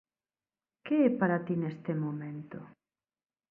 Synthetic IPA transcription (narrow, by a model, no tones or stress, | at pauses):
keɛpaɾat̪inest̪emomẽnt̪ʊ